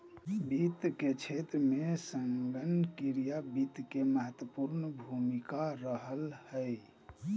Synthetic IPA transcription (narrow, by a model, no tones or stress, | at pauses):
bit̪ket͡ʃʰet̪ɾəmesəŋɡənkiɾijabit̪keməɦət̪wəpuɾnəbʱumikaɾəɦəlhəj